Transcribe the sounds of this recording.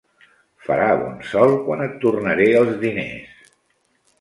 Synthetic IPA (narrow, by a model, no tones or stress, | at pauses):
fə̰ɾaβɔ̰nsɔlˠkwanət̪ːurnəɾeəlˠzðinḛs